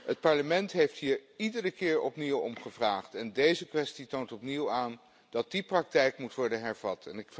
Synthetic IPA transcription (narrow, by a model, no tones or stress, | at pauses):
ət̚pɑɹləmɛntɦejftɦiːɹidərəkɪːɹɔ̰pniwɔ̰mχəvraːχtɛndejzəkʋɛstitowntɔpniwaːn | dɑt̚diprɑk̚tɛjkmutʋɔɹdənɦɛɹvɑtʰɛnɪk